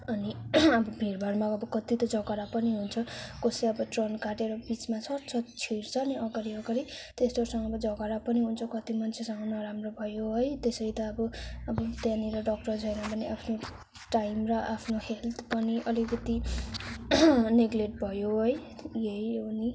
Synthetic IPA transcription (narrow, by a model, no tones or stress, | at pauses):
ʌniʌbʌbʱiɾbʱʌɾmaʌbʌkʌt̪it̪ʌd͡zʌɡaɾapʌniɦunt͡sʰʌkosiʌbʌʈrʌnkaʈeɾʌbit͡smasʌt͡sʰʌt͡sʰiɾt͡sʰʌːniʌɡʌɾiʌɡʌɾit̪est̪osʌŋɡʌbʌd͡zʌɡaɾapʌniɦunt͡sʰʌkʌt̪imʌnt͡sʰesʌŋɡʌnʌɾamrobʱʌjoɦojt̪esʌjt̪ʌːbʌʌbʌt̪jãniɾʌɖʌk̚ʈʌrd͡zʱʌjnabʌniʔapʰno | ʈajmrʌʔapʰnohelt̪ʰpʌniʔʌlikʌt̪i | neɡleʈ̚bʱʌjoɦojjejni